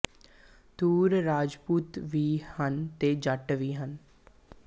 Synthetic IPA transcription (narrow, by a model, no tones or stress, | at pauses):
d̪uːɾɾaːd͡ʒpuːt̪ʋiːhənt̪eːd͡ʒəʈʋiːɦən